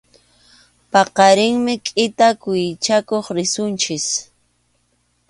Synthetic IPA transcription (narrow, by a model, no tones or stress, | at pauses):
pɑqɑɾɪŋmɪkʼɪt̪akʊjɪt͡ʃakoχɾɪsʊnt͡ʃɪs